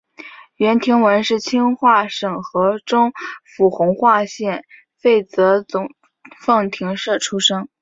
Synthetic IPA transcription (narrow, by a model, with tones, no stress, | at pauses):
ɥɛ˧˥nt̪ʰi˧˥ŋwə˧˥nʂɻ̩˥˩t͡ɕʰi˥ŋxwa˥˩ʂɤ˨˩ŋxɤ˧˥ʈ͡ʂʊ˥ŋfu˨˥˩xʊ˧˥ŋxwa˥˧ɕjɛ˥˩n | fe˥˩ɪt͡sɤ˧˥t͡sʊ˨˩ŋ | fɤ˥˩ŋt̪ʰi˧˥ŋʂɤ˥˩ʈ͡ʂʰu˥ʂɤ˥ŋ